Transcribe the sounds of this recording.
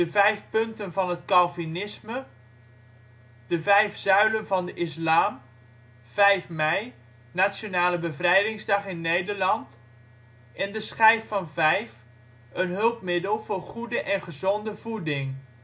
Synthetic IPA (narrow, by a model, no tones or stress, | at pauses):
dəvɛjfpɵntənvɑnɦətkɑlˠvinɪsmə | dəvɛjfz̥œɥlənvɑndəʔɪslaːm | v̥ɛjfmɛj | nasjonaːləbəvrɛjdɪŋzdɑχɪnːejdəɹlɑnt | ʔɛndəsχɛjfːɑnvɛjf | ənɦɵlˠpmɪdəlˠv̥ʊːrχudəʔɛnχəzɔndəvudɪŋ